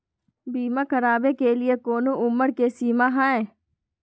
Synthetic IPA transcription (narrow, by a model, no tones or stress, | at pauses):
biːmãkəɾaːbekelɪekoːnõʔʊmːəɾkesiːmaɦãẽ